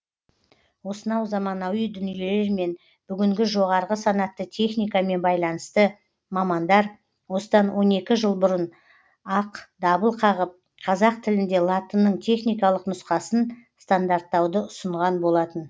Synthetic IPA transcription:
wo̞sənɑwzɑmɑnɑwijd̪ʏnije̞le̞ɾme̞n | b̥ʏɡʲɪŋɡʲɪʒo̞ʁɑɾʁəsɑnɑt̪ːət̪ʲʰe̞χnijkɑme̞nbɑjlˠɑnəst̪ə | mɑmɑnd̪ɑɾ | wo̞səd̪ɑnwʔo̞ne̞kʲɪʒəlˠbʊɾən | ɑqd̪ɑbəlˠqʰɑʁəp̚ | qʰɑzɑq̚t̪ʰɪlɪnd̪e̞lˠɑt̪ənːəɴt̪ʰe̞χnijkɑlˠəqnʊsqɑsənst̪and̪aɾt̪ːɑwd̪əʊsəɴʁɑnbo̞lˠɑt̪ən

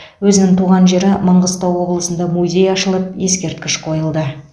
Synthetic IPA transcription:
wɵzɪnɪŋt̪ʰuʁɑnʒe̞ɾɪməɴʁəst̪ɑwwo̞blˠəsənd̪ɑmuzʲe̞jɑʃəlˠəp̚je̞skʲe̞ɾt̪̚kʲɪʃqʰo̞jəlˠd̪ə

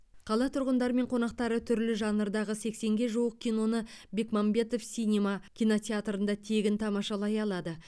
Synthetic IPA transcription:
qʰɑlˠɑt̪ʰʊɾʁənd̪ɑɾəme̞ɴqʰo̞nɑq̚t̪ɑɾət̪ʰʏɾlɪʒɑnəɾd̪ɑʁəse̞kse̞ŋɡʲe̞ʒuwəq̚kʲʰijno̞nəbe̞kmambe̞t̪o̞fsʲijnʲemɑkʲʰijno̞t̪ʲeat̪ɾənd̪ɑt̪ʰe̞ɡʲɪnt̪ʰɑmɑʃɑlˠɑjɑlˠɑd̪ə

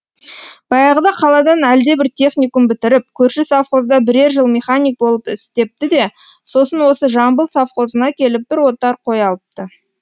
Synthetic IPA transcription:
b̥ɑjɑʁəd̪ɑqʰɑlˠɑd̪ɑnæld̪e̞bɪɾt̪ʲʰe̞χnijkʊmbɪt̪ɪɾɪp̚kʲʰɵɾʃɪsafχo̞zd̪ɑbɪɾe̞ɾʒəlˠmʲeχanʲijk̚bo̞lˠəpɪst̪e̞p̚t̪ɪd̪e̞ | so̞sənwo̞səʒɑmbəlˠsafχo̞zənɑkʲʰe̞lɪp̚b̥ɪɾwo̞t̪ɑɾqʰo̞jɑlˠəp̚t̪ə

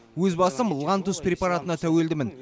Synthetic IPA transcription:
wɵzbɑsəmlˠʁɑnt̪ʊsprʲe̞pɑɾat̪ənɑt̪ʰæwe̞ld̪ɪmɪn

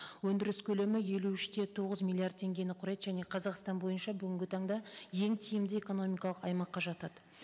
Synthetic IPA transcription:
wɵnd̪ɪɾɪskʲʰɵle̞mɪje̞luʏʃt̪e̞t̪ʰo̞ʁəzmʲilʲˠiard̪̚tʰe̞ŋɡʲe̞nɪqʰʊɾɑjd̪əʒæne̞qʰɑzɑqst̪ɑnbo̞jənʃɑbʏɡʲɪŋɡʲɪt̪ʰɑɴd̪ɑje̞ŋt̪ʰijɪmd̪ɪe̞ko̞no̞mʲijkɑlˠəqɑjmɑqːɑʒɑt̪ɑd̪̥ə

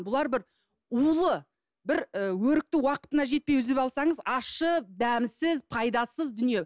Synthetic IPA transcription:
bʊlˠɑɾbɪɾ | ulˠə | bɪɾəwɵɾɪk̚t̪ɪwɑqə̥t̪ənɑʒe̞t̪̚pe̞jʏzepɑlˠsɑɴəzɑʃəd̪æmsɪzpʰɑjd̪ɑsəzd̪ʏnije̞

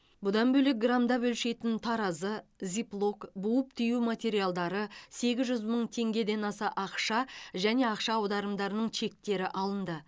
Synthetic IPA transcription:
bʊd̪ɑnbɵlek̚ɡramd̪ɑbɵlʃe̞jt̪ɪnt̪ʰɑɾɑzəzʲiplˠo̞kbuwəp̚t̪ʰijumat̪ʲe̞ɾijalˠd̪ɑɾəse̞ɡʲɪzʒʏzməɴt̪ʰe̞ŋɡʲe̞d̪e̞nɑsɑʔɑqʃɑʒæne̞ɑqʃɑːwd̪ɑɾəmd̪ɑɾənəɴʃʰe̞k̚t̪e̞ɾɪʔɑlˠənd̪ə

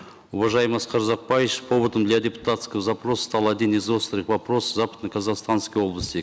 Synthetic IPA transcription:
ʊvɑʒɑjməsqʰɑɾzɑq̚pɑjeʃpʰo̞bət̪əmd̪lʲad̪ʲepu̥t̪at̪skʲəzapro̞sst̪ɑlˠad̪ʲinizost̪ɾʲiqvapro̞szapə̥t̪nəkʰɐzɑqst̪anskʲijo̞blˠəsʲt̪ʲek

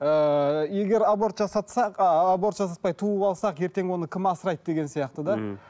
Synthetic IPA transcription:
əje̞ɡʲe̞ɾabo̞ɾt̪ʒɑsɑt̪sɑqːbo̞ɾt̪ʒɑsɑt̪̚pɑjt̪ʰuəbɑlˠsɑqje̞ɾt̪e̞ŋwo̞nəkʲʰɪmɑsəɾɑjt̪̚d̪e̞ɡʲe̞nsijɑqt̪əd̪ɑ

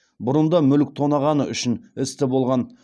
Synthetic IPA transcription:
bʊɾənd̪ɑmʏlɪk̚t̪ʰo̞nɑʁɑnəʏʃɪnɪst̪ɪbo̞lˠʁɑn

